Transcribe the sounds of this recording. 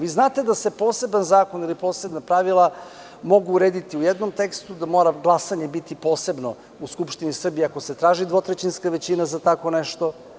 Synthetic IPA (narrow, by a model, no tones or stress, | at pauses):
ʋiznaːt̪e̞d̪ase̞po̞ːse̞banzaːko̞nilipo̞ːse̞bnapɾaʋilˠa | mo̞ɡuːɾeːd̪it̪iujɛd̪nomt̪ekst̪ud̪amoːɾaɡlˠasaɲebit̪ipo̞ːse̞bno̞ | uskupʃt̪inisr̩bijeako̞set̪ɾaːʒid̪ʋo̞t̪ɾet͡ɕinskaʋet͡ɕinazat̪ako̞neʃt̪o̞